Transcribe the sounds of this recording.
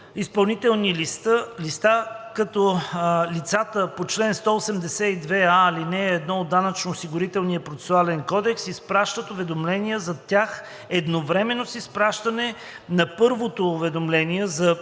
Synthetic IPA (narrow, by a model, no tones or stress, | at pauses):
ispɐlˠnit̪ɛlˠnilist̪əlist̪akɐt̪ɔlit̪sat̪əpot͡ʃlɛnst̪ɔosɛmd̪ɛsɛid̪vɛaːlinɛːd̪nɔod̪ːanɐt͡ʃnoːsiɡʊɾit̪ɛlˠnijəpɾot̪sɛ̥sʊalɛnkɔd̪ɛksispɾaʃt̪ət̪ovɛd̪omlɛniəzɐt̪ʲax | ɛd̪novɾɛmɛnosispɾaʃt̪ɐnɛ | nɐpɤɾvot̪oːvɛd̪omlɛniɛzɐ